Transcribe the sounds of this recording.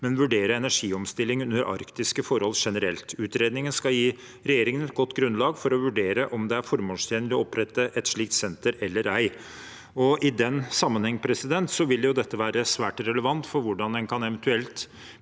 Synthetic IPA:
mɛnʋʉɖeːɾəɛnæʂiːɔmst̪ɪlːɪŋʉnd̪əɾʔɑ̰ɾkt̪ɪskəfɔɾhɔlʂɛnəɾɛlt̪ʉːt̪ɾeːd̪nɪŋənskɑjiː | ɾɛjeːɾɪŋənɛt̪̚ɡɔt̪ːɡɾʉnlɑːɡfɔɾɔʋʉɖeːɾəʔɔmd̪ɛæɾfɔɾmoːʂt̪ʰjeːnəɾɔɔpːɾɛt̪ːəʔɛt̪ʂɭiːk̚t̪sɛnt̪əɾɛlːəɾæɪ | ɔʔɪd̪ɛnsɑmːənhɛŋːpʰɾɛsɪd̪ɛnt̪sɔʋɪljʊd̪ɛt̪ːəʋæːɾəsʋæːʈɾɛləʋɑnt̪fɔɾʋʊɖɑnd̪ɛnkʰɑnɛʋɛnt̪ʉɛlt̪

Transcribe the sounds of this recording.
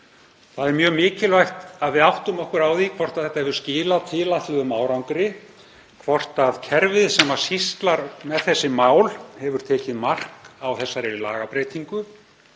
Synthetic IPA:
θaðɛɾmjœːɣmɪːcɪlvajxt̪aðvɪðawht̪ʏmɔhkʏɾaːwðikʰvɔr̥t̪aðθɛht̪ahɛvðʏɾ̥scɪːlat̪ʰɪːlat̪lʏðʏmaːwɾawŋkɾɪ | kʰvɔr̥t̪aðcʰɛɾvɪðsaːmḁsist̪laɾmɛðθɛsːɪmaːwlhɛvʏɾ̥t̪ʰɛːcɪðmar̥kawθɛsːaɾɛɾilaːɣapɾejt̪iŋkʏ

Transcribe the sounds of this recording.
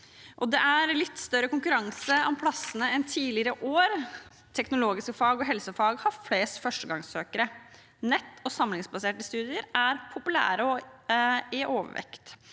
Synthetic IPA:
ʔɔd̪ɛʔæɾlɪt̪ːst̪œɾːəkʊŋkʉɾɑŋsəɔmpʰlɑsənəɛnt̪ʰiːlɪəɾəʔoːɾ | t̪ʰɛknʊloːɡɪskəfɑːɡɔɦɛlsəfɑːɡhɑfleːst̪fœʂʈəɡɑŋsøːkəɾə | nɛt̪ːɔsɑmlɪŋsbɑseːʈəst̪ʉːd̪ɪəɾæɾpʰʊpʉlæ̰ːɾəɔ | ɪʔoːʋə̰ʋɛ̰kt̪

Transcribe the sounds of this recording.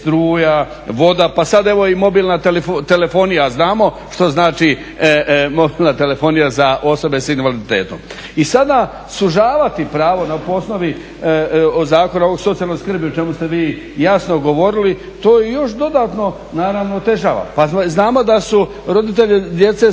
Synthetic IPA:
st̪ɾuːja | ʋo̞d̪apasad̪e̞ʋo̞imo̞biːlnat̪eleft̪e̞le̞fo̞nijaznaːmo̞ | ʃt̪o̞znaːt͡ʃi | mo̞bilnat̪e̞le̞fo̞nijazaʔo̞so̞be̞sinʋalid̪it̪e̞̰ːt̪o̰m | isad̪a | suʒaːʋat̪ipɾaːʋo̞napoosno̞ʋi | ozaːko̞naoʋo̞ɡsot̪ialno̞ɡʲskr̩biot͡ʃe̞must̪e̞ʋiː | jasno̞ɡo̞ʋo̞ɾili | t̪o̞ːjejo̞ʃd̪o̞d̪aːt̪no̞ | naːɾaʋnoːt̪e̞ʒa̰ːʋa̰paznaːmo̞d̪asu | ɾo̞d̪it̪̬eʎed̪je̞t̪se̞

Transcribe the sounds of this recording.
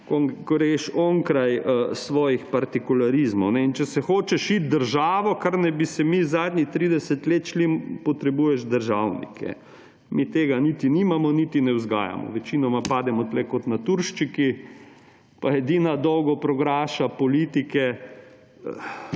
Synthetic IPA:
koŋkoɾeʃoːŋkɾajəsʋɔːjixpaɾt̪ikulaɾizmɔwnɛint͡ʃɛsɛxoːt͡ʃɛʃit̪̚d̪əɾʒaːʋɔkaɾnajbisɛmizaːd̪nʲixt̪ɾiːd̪ɛsɛt̪leːt̪ʃlimpɔt̪ɾɛbuːjɛʒd̪əɾʒawnḭkɛ̰ | mit̪eːɡanit̪iniːmamɔnit̪inɛwzɡa̰ːja̰mɔ̰ʋɛt͡ʃiːnɔmapaːd̪ɛmɔt̪lɛkɔt̪nat̪uɾʃt͡ʃiki | paɛd̪iːnad̪ɔwɡɔpɾɔɡɾaːʃapɔliːt̪ikɛ̰

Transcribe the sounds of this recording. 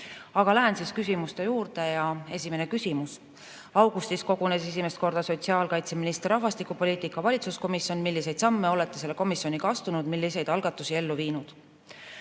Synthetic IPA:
ɑɡ̥ɑlæɦensiskysʲimust̪e̞juːɾd̪e̞jɑe̞sʲime̞ne̞kysimus | ɑwɡust̪isko̞ɡ̥une̞se̞s̬ime̞st̪̚ko̞rd̪̥ɑso̞t̪siɑːlkɑjt̪se̞minist̪rːɑɦvɑst̪ikːˑupo̞liːt̪ˑikːˑɑvɑlʲit̪susko̞misjo̞nmilːise̞jd̪̥sɑmːe̞o̞le̞t̪ːˑe̞se̞lːeko̞misjo̞nikɑst̪unud̪̥milʲːise̞jd̪̥ɑlɡ̥ɑt̪ːˑusie̞lːuviːnud̪̥

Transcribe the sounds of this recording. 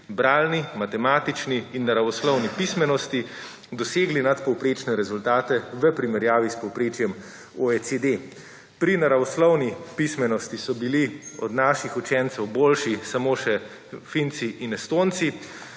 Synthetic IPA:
bɾaːlnimat̪ɛmaːt̪it͡ʃniːnːaɾaʋɔslɔwnipismɛnɔst̪i | d̪ɔseːɡlinat̪pɔwpɾeːt͡ʃnɛɾɛzult̪aːt̪ɛʋəpɾimɛɾjaːʋispɔwpɾeːt͡ʃjɛm | oesed̪e | pɾinaɾaʋɔslɔwnipismɛnɔst̪isɔbiliɔd̪naːʃixut͡ʃɛnt̪sɛwboːlʃisamoːʃɛ | fint̪siʔinɛst̪oːnt̪si

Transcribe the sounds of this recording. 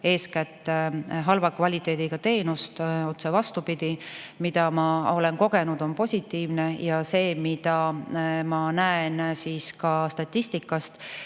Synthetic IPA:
e̞ːskæt̪ːˑeɦɑlvɑkvɑlʲit̪ˑe̞ːd̪̥iɡ̥ɑt̪e̞ːnust̪o̞t̪se̞vɑst̪upid̪̥imid̪̥ɑmɑo̞le̞nko̞ɡ̥e̞nud̪̥o̞npo̞sʲit̪ːˑiːvne̞jɑse̞ːmid̪̥ɑmɑnæensiːskɑst̪ɑt̪ʲˑːist̪ikːˑɑst̪

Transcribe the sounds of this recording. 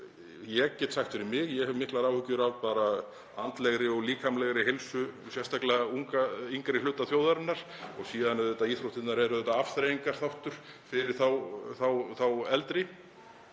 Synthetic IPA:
jɛɣcɛːt̪saht̪fɪɾɪɾmɪɣjɛɣhɛvmɪhklaɾawhʏcːʏɾaːwt̪paːɾa | ant̪lɛɣɾɪɔɣliːkʰamlɛɣɾɪɦeɪlsʏsjɛst̪ʰaklɛðauŋkaiŋkɾɪlʏːt̪aθjowðaɾɪnːaɾ̥ | ɔɣsiːðanʏðɛt̪ːaiːθɾowt̪ɪnnaɾɛɾʏðɛt̪aafθɾejiŋkaɾ̥θawht̪ʏɾ̥ | fɪɾɪɾ̥θawθawθawɛlt̪ɾɪ

